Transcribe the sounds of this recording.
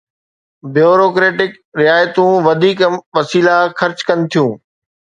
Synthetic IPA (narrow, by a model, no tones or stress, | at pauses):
bjoːɾoːkɾeːʈɪk | ɾɪaːjt̪ũːʋɐd̪ʱiːkʋɐsiːlaxɐɾt͡ɕkɐnɪ̆t̪ʰijũː